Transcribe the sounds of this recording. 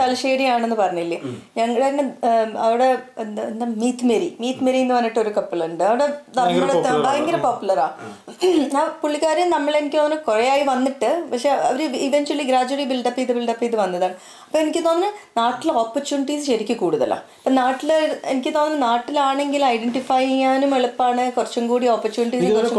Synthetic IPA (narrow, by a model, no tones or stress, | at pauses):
t̪ɐlɕeːɽijaːɳenːɨpɐrɐɲːuilːijɐɲɐŋːɐɭeŋːneɐʋiɽe̞nd̪ɐmiːt̪meɾimiːt̪meɾienːɨʋɐnːiʈːo̞ɾukɐpːilɳɖɨɐʋiɽe̞nɐmːɐɽt̪ːbaːjeŋɡilɐpoːpːjulɐɾaː | aːpuɭːikːaːɾjɐmnɐmːɐɭe̞nikʲːɨt̪oːnːɐɐkorejaːjiʋɐnːiʈːɨpɐkʂe̞ːɐ̰ʋɐɾeiʋeɲt͡ɕuɐliɡɾaːd͡ʑuɐribilɖɐpːɐiðɨbilɖɐpːɐiðɨʋɐnːɐðaːɳɨ | ɐpːoːenikʲːɨt̪oːnɐɐnaːʈːiloːpːɐrt͡ɕuːniʈiːsɨɕɐɾikʲːɨkuːɽuðɐ̰lːɐ̰ɐpːoːnaːʈːileenikʲːɨt̪o̞ːnɐnɐnaːʈːilaːɳe̞ŋɡilɐjɖeɳʈifaːjiŋaːnumeɭupːaːɳɨkurt͡ɕːɐmɡuːɽioːpːɐrt͡ɕuːniʈiːsikːurt͡ɕːɐ